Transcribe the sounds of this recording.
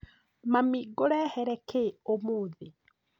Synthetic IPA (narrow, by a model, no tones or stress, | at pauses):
mamiːɡoɾɛhɛɾɛkeomoːðe